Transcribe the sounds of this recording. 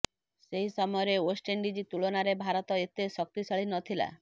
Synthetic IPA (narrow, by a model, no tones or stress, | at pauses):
seɦisɔmɔɔɾeosʈeɳɖid͡ʒit̪uɭonaɾebʱaɾɔt̪ɔet̪esɔk̚t̪isɔɭinɔt̪ʰila̰